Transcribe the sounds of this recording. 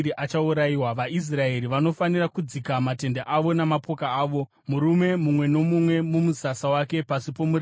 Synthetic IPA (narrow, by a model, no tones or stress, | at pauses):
ɾiʔat͡ʃauɾaiwaʋais̬rae̞ɾiʋano̞fanirakud͡zikamate̞ndaʔaʋo̞namapo̞kaːʋo̞ | muɾume̞mumwe̞no̞mumwe̞mumuzasawake̞pasipo̞muɾ